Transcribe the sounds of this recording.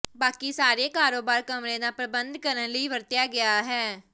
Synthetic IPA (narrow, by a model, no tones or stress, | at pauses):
baːkiːsaːɾeːkaːɾoːbaːɾkəmɾẽːd̪aːpɾəbənd̪kəɾənləiːʋəɾt̪ɪjaːɡɪjaːɦɛː